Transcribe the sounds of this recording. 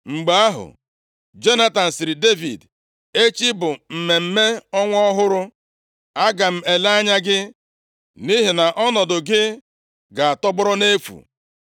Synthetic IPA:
ŋ͡m̩˨ɡ͡ba˨˦a˦ɦʊ̰˨ | d͡ʒe˦na˦ta˨n̩˨sɪ˨ɾi˨de˦vḭ˨d | e˦t͡ʃi˦bʊ˨m̩˨me˨m̩˦me˦ɔ˦ŋʷɔ˦ɦʊ˦ɾʊ˦ | a˦ɡa˨m̩˦˨e˨la˦ɲa˦ɡɪ˦ | ni˦ɦɪ˨na˨ʔɔ˦nɔ˨dʊ˨ɡɪ˦ | ɡa˨a˨tɔ˦bʊ˦ɾɔ˦ne˦fṵ˨

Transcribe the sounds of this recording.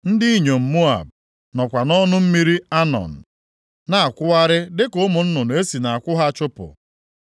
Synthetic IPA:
n̩˦dɪ˦i˦ɲo˨m̩˨mo˦a̰˨b̚ | nɔ˨kʷa˨nɔ˦nʊ˦m̩˦mi˦ɾi˦a˦nɔ̰˨n̩˨ | na˨a˨kʷʊ˦a˦ɾɪ˦dɪ˦kʊ˦mʊ˨n̩˦nʊ˨nʊ˨˦e˦si˨na˨a˨kʷʊ˦ɦa˦t͡ʃʊ˦pʊ̰˨

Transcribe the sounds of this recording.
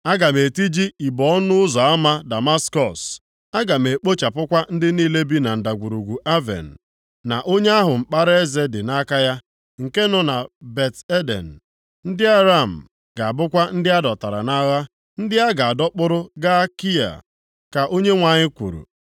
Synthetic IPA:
a˦ɡa˨me˨ti˦d͡ʒi˦i˨bɔ˨ɔ˦nʊ˦ʊ˦zɔ˨a˦ma˦da˨ma˦skɔ˦˨s | a˦ɡa˨me˨k͡po˦t͡ʃa˨pʊ˦kʷa˦n̩˦dɪ˦niː˦le˦bi˦na˨n̩˨da˨ɡʷu˨ɾu˨ɡʷu˨ʔa˦vḛ˨n̩˨ | na˨ʔo˦ɲe˦a˦ɦʊ˨m̩˨k͡pa˦ɾe˦ze˦dɪ˨na˦ka˦ja˦ | ŋ̩˨ke˦nʊ˦na˨be˨te˦dḛ˨n̩˨ | n̩˦dɪ˦a˦ɾa˦˨m̩˨ | ɡ̥a˨a˨bʊ˦kʷa˦n̩˦dɪ˦a˦dɔ˨ta˨ɾa̰˨na˦ɣa˦ | n̩˦dɪ˦a˦ɡa˨a˨dɔ˦k͡pʊ˦ɾʊ˦ɡa˦a˦ki˦a̰˨ | ka˨ʔo˦ɲe˦ŋʷa˨ɲɪ˦kʷṵ˨ɾṵ˨

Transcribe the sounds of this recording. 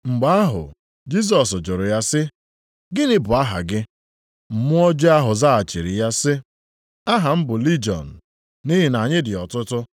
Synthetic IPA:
ŋ͡m̩˨ɡ͡ba˦a˦ɦʊ̰˨ | d͡ʒi˦s̬ɔ˨s̬ʊ˨d͡ʒʊ˨ɾʊ˨ja˦sɪ˦ | ɡɪ˦nɪ˦bʊ˨a˦ɦa̰˨ɡɪ˦ | m̩˨mʊ˦ɔ˦d͡ʒe˦a˦ɦʊ˨za˦a˨t͡ʃɪ˨ɾi˨ja˦sɪ˦ | a˦ɦa˨m̩˦bʊ˨li˦d͡ʒɔ̰˨n̩˨ | ni˦ɦɪ˨na˨ɲɪ˦dɪ˨ɔ˨tʊ˦tʊ˦

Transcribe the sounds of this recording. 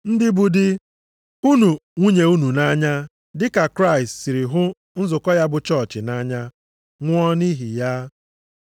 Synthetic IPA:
n̩˦dɪ˦bu˨dɪ˦ | u˦nu˨ŋʷu˦ɲe˨u˦nu˨na˦ɲa˦ | dɪ˦ka˨kɾa˦ɪ˨stsi˨ɾi˨ɦʊ˦ | n̩˦zʊ˨kɔ˦ja˦bʊ˨t͡ʃɔ˦˨t͡ʃɪ˨na˦ɲa˦ | ŋʷ˦ɔ˦ni˦ɦi˨ja˦

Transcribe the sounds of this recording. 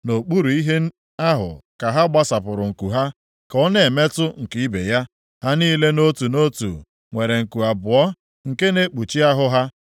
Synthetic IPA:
no˨k͡pu˦ɾu˨i˦ɦe˦ | a˦ɦʊ̰˨ka˨ɦa˦ɡ͡ba˦sa˨pʊ˨ɾʊ˨ŋ̩˨ku˨ɦa˦ | kɔ˦ne˨me˦tʊ˦ŋ̩˨ki˦i˦be˨ja˦ | ɦa˦niː˦le˦no˦tu˨no˦tṵ˨ | ŋʷe˨ɾe˨ŋ̩˨ku˨a˨bʊ˨ɔ˦ | ŋ̩˨ke˦ne˦k͡pu˨t͡ʃi˦a˦ɦʊ˦ɦa˦

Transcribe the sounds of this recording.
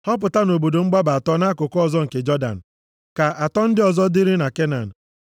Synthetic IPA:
hɔ˦p̬ʊ˨ta˦no˨bo˨do˨ŋ͡m̩˦ɡ͡ba˦ba˨tɔ˦na˦kʊ˨kʊ˦ɔ˨zɔ˦ŋ̩˨ke˨d͡ʒɔ˦da̰˨n̩˨ | ka˨ʔa˨tɔ˦n̩˦dɪ˦ɔ˨zɔ˦dɪ˦ɾɪ˦na˨ke˦na̰˨n̩˨

